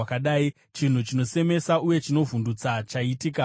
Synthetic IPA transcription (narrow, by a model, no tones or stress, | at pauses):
akaɗaːi | t͡ʃin̤ut͡ʃino̞se̞me̞sauje̞t͡ʃino̞vundut͡sat͡ʃaitika